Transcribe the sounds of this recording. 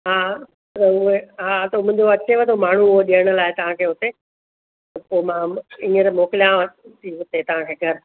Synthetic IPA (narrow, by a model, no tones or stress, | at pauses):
ɦaː | ɐʊeɦaːt̪ɐmʊ̃ɪ̃ɲd͡ʑoɐt͡ɕeʋet̪ʰomaːɳ̤uʊɦoɗijəɽ̃ə̆laːet̪ɐʋ̤ãkʰeːɦʊt̪e | t̪ɐpoːmãĩːəɾmoːkɪljãʋt̪ʰiɦʊt̪et̪ɐʋ̤ãkʰeɡʱəɾ